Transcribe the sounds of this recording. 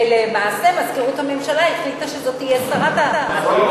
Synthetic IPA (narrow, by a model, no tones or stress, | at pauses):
lemaːsemazkeʁuthame̞mʃalaiχlit̪aʃezo̞tijɛsanat̪a